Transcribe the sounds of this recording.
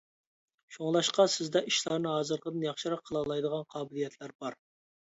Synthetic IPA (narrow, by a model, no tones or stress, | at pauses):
ʃoŋlˠɑʃqɑsɪzd̪ɛʔiʃlˠɑɾnɨɦɑːzɨɾqʰəd̪ɨnjɑχʃɨɾɑqʰːəlˠɑlˠɑjd̪əʁɑnqʰɑːbɪlijɛt̪ʰlæɾbɑɾ